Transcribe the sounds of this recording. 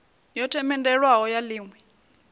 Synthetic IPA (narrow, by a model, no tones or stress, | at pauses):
jɔtʰɛmɛndɛɺwaɦɔjaliːŋwɛ